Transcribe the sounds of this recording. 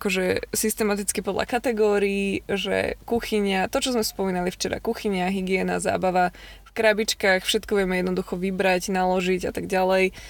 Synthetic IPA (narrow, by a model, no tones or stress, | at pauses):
akɔʒɛsist̪ɛmat̪it͡skipɔd̪lʔa̰kat̪ɛɡɔːɾiːʒɛ̰kuxiɲat̪ɔt͡ʃɔzmɛspɔmiːnalift͡ʃɛɾa̰kuxiɲaɦiɡɪɛna̰za̰ːbaʋa | fkɾabit͡ʃkaːxfʃɛt̪kɔʋɪɛmɛjɛd̪nɔd̪uxɔʋibɾaɟnalɔʒiɟat̪aɡɟalɛj